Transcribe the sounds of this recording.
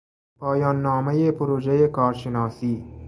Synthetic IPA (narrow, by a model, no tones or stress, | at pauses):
pʰɑːjɑːnːɔːmejepoɾoːd͡ʒejekɒːɾʃenɑːsiː